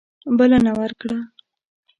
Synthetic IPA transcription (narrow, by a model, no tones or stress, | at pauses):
bəlanawəɾkɽa